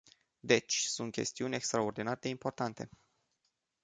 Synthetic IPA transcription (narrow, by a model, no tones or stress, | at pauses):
d̪e̞t͡ʃʲsunt̪̚kʲe̞̰st̪iunʲe̞kst̪ɾao̞rd̪inaɾed̪e̞impo̞rt̪ant̪e̞